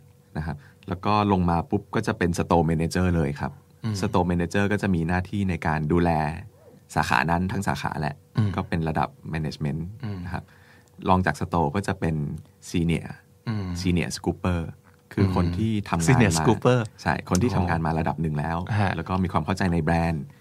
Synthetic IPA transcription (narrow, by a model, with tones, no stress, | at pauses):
na˦˥kʰa˦˥p̚lɛː˦˥wkɔː˥˩lo˧ŋmaː˧pu˦˥p̚kɔː˥˩t͡ɕa˨˩pe˧nsa˧t̪oː˧mɛː˧neː˧t͡ɕɤː˥˩lɤː˧jkʰa˦˥p̚ | sa˧t̪oː˧mɛː˧neː˧t͡ɕɤː˥˩kɔː˥˩t͡ɕa˨˩ʔmiː˧naː˥˩t̪ʰiː˥˩na˧jkaː˧nduː˧lɛː˧sa̰ː˩˦xa̰ː˩˦na˦˥nt̪ʰa˦˥ŋsaː˩˦xa̰ː˩˦lɛ̰˧˩ʔkɔː˥˩pe˧nɾa˧da̰˨˩p̚mɛː˧nḛː˧t͡ɕme˦˥na˧kʰa̰˦˥p̚ | lɔː˧ŋt͡ɕaː˨˩k̚sa˧t̪oː˧kɔː˥˩t͡ɕa˨˩pe˧n | siː˧nḭ˦˩ə | siː˧nḭ˦˩əskuː˦˥pːɤː˥˩ | kʰɯː˧kʰo˧nt̪ʰiː˥˩t̪ʰa˧mŋaː˧˩maː˧uː˦pɤː˥˩t͡ɕʰa̰˥˩jkʰo˧nt̪ʰiː˥˩t̪ʰa˧mŋaː˧nmaː˧ɾa˧da˨˩p̚nɯ˨˩ŋlɛ̰ː˦˥wlɛː˦˥wkɔː˥˩miː˧kʰwaː˧mkʰa˥˩t͡ɕa˧jna˧jbɾɛː˧n